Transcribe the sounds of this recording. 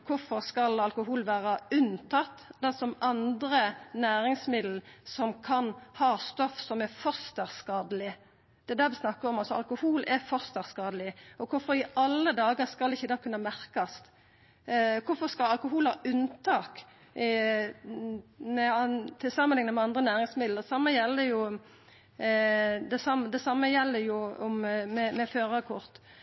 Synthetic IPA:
kʰʊɾfɔɾskɑlɑlkʊɦuːlʋæːɾɑʉnt̪ʰɑt̪ːd̪ɛsɔmɑnd̪ɾənæːɾɪŋsmɪd̪l̩sɔmkʰɑnhɑːst̪ɔfsɔmɛfɔst̪əʁskɑːd̪əlɪ | d̪̥ɛd̪æʁʋɪsnɑkːəɾɔmɑt̪sɔɑ̰lkʊhuːlɛfɔst̪əʁskɑːd̪əlɪɔkʰʊɾfɔɾɪʔɑlːəd̪ɑːɡəɾskɑlɪçːəd̪ɑːkʰʉnːɑmæɾkɑst̪ | kʰʊɾfɔskɑlɑlkʊɦuːlhɑʔʉnt̪ʰɑːk | mɛt̪ʰɪlsɑməɪŋnəmɛɑnd̪ɾənæːɾɪŋsmɪd̪lsɑmːəjɛlːəɾjʊ | d̪ɛsɑmd̪ɛsɑmːəjɛlːəɾjʊɔmmɛmɛføːɾɑkʰʊɾt̪

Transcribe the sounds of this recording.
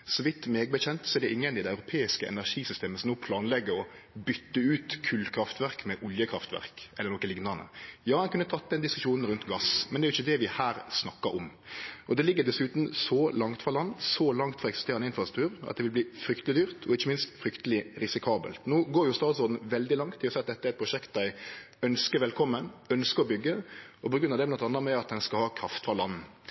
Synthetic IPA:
sɔʋɪt̪ːmeːɡbəçɛnt̪sɔɛɾd̪ɛʔɪŋːənɪd̪ɛɑʉɾʊpʰeːɪskəʔɛ̰næʂiːsʏst̪eːməsɔmnoːpʰlɑːnlɛɡːəɾɔ | bʏt̪ːəʉːt̪kʰʉːlkʰɾɑft̪ʋæɾkmɛʔɔljəkʰɾɑft̪ʋæ̰ɾkɛlːəɾnɔkːəlɪŋnɑnə̰jɑːɛnkʉnːət̪ʰɑt̪̚ːd̪ɛnd̪ɪskʉ̥ʂuːnn̩ɾʉnt̪ɡɑsmɛnd̪ɛɾjɪçːəd̪ɛʋɪhæːɾsnɑkːəɾɔmʔɔd̪ɛlɪɡːəd̪ɛsʉːt̪n̩sɔlɑŋt̪fɾɑlɑnːsɔlɑŋt̪fɾɑɛksɪst̪eːʁənɪnfɾʁɑst̪ɾ̥t̪ʰʉːɾʔɑ̰t̪d̪ɛʋɪlbliːfɾʏkt̪əlɪd̪yːʁt̪ʰɔɪçːəmɪnst̪fɾʏkt̪əlɪɾɪsɪkʰɑːbə̰lt̪noːɡoːɾjʊst̪ɑːd̪t̪sɔːd̪n̩ʋɛld̪ɪlɑŋt̪ʰːɪlɔsɛɪɑt̪d̪ɛt̪ːəæɾɛt̪pʰɾʊʃɛkt̪̚d̪æɪ | œnskəɾʋɛlkʰɔmːənœnskəɾɔbʏɡːəɔpʰɔɡɾʉnɑd̪ɛmɛnɔt̪ɑnːɑmɛɑt̪̚d̪ɛnskɑlhɑːkʰɾɑft̪fʁɑlɑnn̩

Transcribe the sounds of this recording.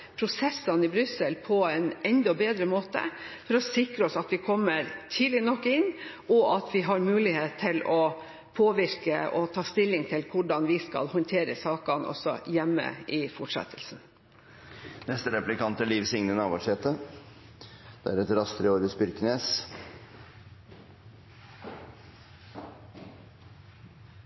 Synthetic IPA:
pʰɾʊsɛsɑnɪbɾʏsəlpʰɔɛnɛnd̪ɔbeːd̪ɾəmoːt̪ə̰fɔɾɔsɪkɾəɔsɑt̪ʋɪkʰɔmːəɾt̪ʰiːd̪lɪnɔkːɪnʔɔʔɑt̪ʋɪɦɑɾmʉːlɪheːt̪ʰːɪlɔ | pʰoːʋɪɾkə̰ʔɔt̪ʰɑːst̪ɪlːɪŋt̪ʰɪlkʰʊɖɑnʋɪskɑ̰lhɔnt̪ʰeːɾəsɑːkɑnʔɔ̰sɔ̰jɛmːə̰ɪfɔʈʂɛ̰t̪ʰəlsn | nɛst̪əɾɛplɪkɑnt̪əliːʋsɪŋnənɑːʋɑʂheːt̪ə | d̪̥ɛ̰æɾɛt̪ɾɑst̪ɾəoːɾɪspʏɾkəneːs

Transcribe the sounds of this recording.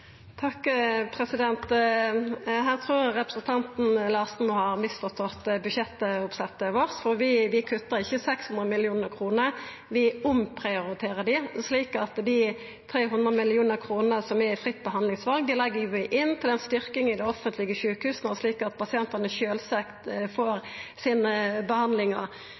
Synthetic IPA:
t̪ʰɑkːpʰʁɛsɪd̪ɛnt̪ | ɦæːʁt̪ʰʁuːʁʁɛpɾʁəsn̩t̪ʰɑnt̪n̩lɑːsnuːhɑʁmɪsfɔʁt̪ʰɔt̪bʉʃɛt̪ːəʊpsɛt̪ːəʋoʁsfɔʁʋɪʋɪkʰʉt̪ːəʁɪçːəsɛkshʉnʁəmɪlɪuːnəʁkʰʁuːnəʁ | ʋɪʊmpʰʁɪʊʁɪt̪ʰeːʁəd̪ɪsliːkɑt̪d̪ɪ | t̪ʰɾeːɦʉnd̪ʁəmɪlɪuːnəɾkʰʁuːnəsɔmɛfɾɪt̪ːbəɦɑnd̪lɪŋsʋɑlɡ̚d̪ɪlɛɡːəɾʋɪʔɪnːt̪ʰɪlɛnst̪ʏɾkɪŋɪd̪ɛɔfənt̪lɪɡəʃʉːkhʉːsnɔsliːkɑt̪̚pʰɑsɪɛnt̪ənəçøːlsɛkt̪foːɾsiːnəbəhɑnd̪lɪŋəʁ

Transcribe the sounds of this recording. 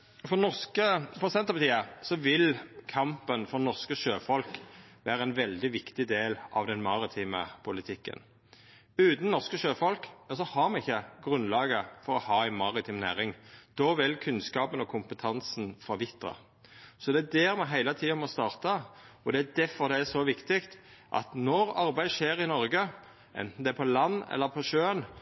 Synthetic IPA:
fɔnɔʁskəfɔsɛnt̪əpɑt̪iːəsɔʋɪlkʰɑmpənfɔʁnɔʁskəʃøːfɔlkʋæːɾəɛɪnʋɛld̪ɪʋɪkt̪ɪd̪eːlɑ̰ʋd̪ɛnmɑʁɪt̪ʰiːmə̰pʰʊlɪt̪ʰɪkːə̰n | ʉːt̪n̩nɔʁskəʃøːfɔlkjɑsɔhɑʁmɛɪçːəɡʁʉnlɑːɡəfɔɾɔhɑːæɪnmɑʁɪt̪ʰiːmnæːʁɪŋd̪̥ɔʋɪlkʰʉnskɑːpənɔkʰʊmpət̪ʰɑnsn̩fɔɾʋɪt̪ə̰ | sɔd̪ɛæd̪ɛʁmɛɦæɪlət̪ʰiːɑmɔst̪ɑːʁt̪ɑɔd̪ɛæd̪æfɔʁd̪ɛæsɔʋɪkt̪ɪkt̪ʔɑ̰t̪nɔɾɑɾbæɪd̪ʃeːɾɪnɔɾɡə | ʔɛ̰nt̪n̩d̪ɛæpʰɔlɑnːɛ̰lːəpʰɔʃøːən

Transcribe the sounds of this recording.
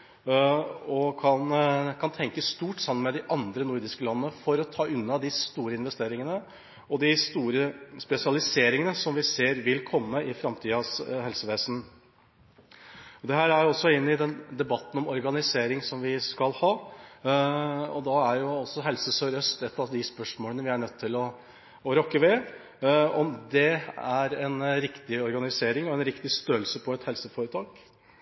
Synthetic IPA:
ɔkʰɑnkʰɑnt̪ʰɛŋkəst̪uːʈːsɑməmɛd̪ɪʔɑnd̪ɾənʊɾd̪ɪskəlɑnːənəfɔɾɔt̪ʰɑːʉnːɑd̪ɪst̪uːɾəɪnʋɛst̪eːɾɪŋənə | ɔd̪ɪst̪uːɾəspɛsɪɑlɪseːɾɪŋənəsɔmʋɪseːɾʋɪlkʰɔmːəɪfɾɑmt̪ʰiːɑshɛlsəʋeːsn̩ | ɔd̪ɛhæːɾæjʊɔsːɔɪnːɪd̪ɛnd̪ɛbɑt̪ːn̩ɔmɔɾɡɑnɪseːɾɪŋsɔmʋɪskɑlhɑː | ɔ̰d̪ɑæɾjʊɔsːɔɦɛlsəsœɾœst̪ɛt̪ːɑʋd̪ɪspœʂmoːlənəʋɪæɳœt̪ʰːɪlɔː | ɾɔkːəʋɛ | ɔmd̪ɛæɾɛnɾɪkt̪ɪɔɾɡɑnɪseːɾɪŋɔɛnɾɪkt̪ɪst̪øːəlsəpʰɔɛt̪hɛlsəfoːɾət̪ʰɑːk

